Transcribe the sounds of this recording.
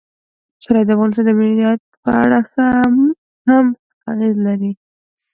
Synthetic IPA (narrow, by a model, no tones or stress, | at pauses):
saɾɑjd̪əafɣɑnɪst̪ɑnd̪əmɪɑt̪̚pəa̰ɽaxam | ham | t̪ɑ̰ɣizlaɾi